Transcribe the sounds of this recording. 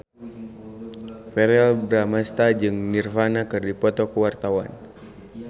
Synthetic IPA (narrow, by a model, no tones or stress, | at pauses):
fɛɾalbɾamast̪ad͡ʒɨŋnirfanakɨrdipɔt̪ɔkuwart̪awan